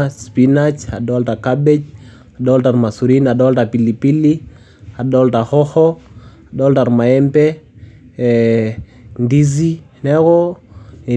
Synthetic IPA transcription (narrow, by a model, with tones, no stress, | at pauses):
spinat͡ʃa˨ɗɔ˦lta˨kaɓɛ˦d͡ʒ | a˨ɗɔlta˨ɾma˨suɾina˨ɗɔ˦lta˨pi˨li˨pi˦li˦ | a˨ɗɔlta˨hɔ˦hɔ˦a˨ɗɔlta˨ɾma˨ɛmpɛ˦ | ndi˦zi˦ | nɛ˦ɣɔ˦nɛ˨